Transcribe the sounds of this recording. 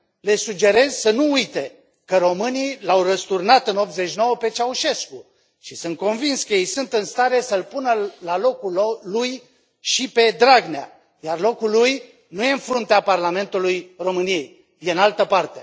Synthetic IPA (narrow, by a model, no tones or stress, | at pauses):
le̞sud͡ʒe̞ɾe̞zsənuujt̪e̞ | kəɾo̞mɨnijlawrəst̪urnat̪ɨno̞p̚t̪zet͡ʃno̞wəpe̞t͡ʃauʃe̞sku | ʃisɨnt̪̚ko̞nvinskəjejsunt̪ɨnst̪aɾe̞səlpunəlalo̞kulluj | ʃipe̞d̪ɾaɡnea̰ | jarlo̞kulːuj | nuje̞ɨnfɾunt̪eaparlame̞nt̪ulujro̞mɨnijej | jeɨnalt̪əpart̪e̞